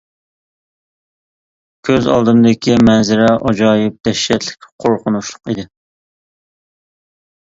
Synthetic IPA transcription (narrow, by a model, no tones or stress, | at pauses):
kʲʰøzɑ̰lˠd̪ɨmd̪ɪkʲimɛnzɪɾɛʔɑd͡ʒɑːjɪp̚d̪ɛʃːɛt̪lɪ̥kʲqʰoɾqʰʊnuʃlˠʊqid̪ɪ